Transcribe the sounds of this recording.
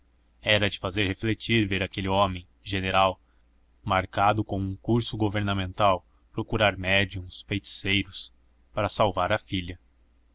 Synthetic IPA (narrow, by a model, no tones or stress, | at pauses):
ɛɾɐd͡ʒɪfazeɾheflet͡ʃiɾveɾakelɪõmẽj̃ | ʒeneɾaw | maɾkad̪ʊkõũŋkuɾsʊɡoveɾnamẽnt̪aw | pɾokuɾaɾmɛd͡ʒiũsfejt͡ʃi̥sejɾʊs | paɾɐsawvaɾɐfilʲɐ